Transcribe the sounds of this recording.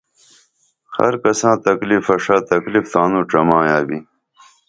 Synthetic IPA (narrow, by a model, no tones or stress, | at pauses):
hɐ̰ɾkɐsãːt̪ɐklifɐʂaːt̪ɐklift̪ãːnũːʈ͡ʂɐmãːjaːbi